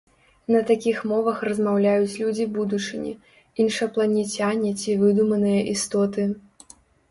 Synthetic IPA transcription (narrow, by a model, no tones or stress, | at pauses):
nɐt̪akʲixmɔvɐxrɐzmawlʲajut͡sʲlʲud͡zʲibud̪ut͡ʂɨnʲḭ | inʂɐplˠɐnʲɛt͡sʲanʲɛt͡sʲivɨd̪umɐnɨjɐʔist̪ɔt̪ɨ